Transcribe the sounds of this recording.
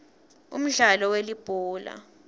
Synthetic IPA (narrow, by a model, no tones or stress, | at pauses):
ṵm̩ɮalɔwelib̥ʱuːla̰